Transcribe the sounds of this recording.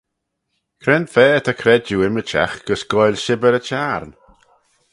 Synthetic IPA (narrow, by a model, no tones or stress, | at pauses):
kʰɾɛnfɛːt̪ʰakʰɾɛd͡ʒuɪmət͡ʃa̰xɡ̥əsɡ̥ɔjlʲʃɪbəɾət͡ʃaːɾn